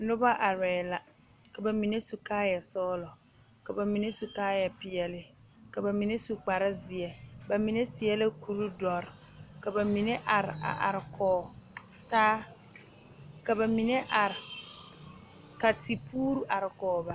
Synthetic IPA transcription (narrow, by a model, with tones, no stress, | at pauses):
nʊ˦ba˦ʔa˨ɾɛː˨la˨ | ka˨ba˨mi˨ne˦su˨kaː˦ja˨sɔː˦lɔ˨ | ka˨ba˨mi˨ne˦su˨kaː˦ja˨pɪ˨ɛ˨lɪ˨ | ka˨ba˨mi˨ne˦su˨k͡pa˨ɾa˦zɪ˨ɛ˨ba˨mi˨ne˦sɪ˨ɛ˦la˦ku˨ɾu˦dɔ˨ɾ | ka˨ba˨mi˨ne˦ʔa˨ɾɪ˨a̰˨ʔa̰˨ɾɪ˨kʰɔː˨ | taː˦ | ka˨ba˨mi˨ne˦ʔa˨ɾɪ˨ | ka˨ti˨pʰuː˦ɾu˦ʔa˨ɾɪ˨kɔː˨ba˨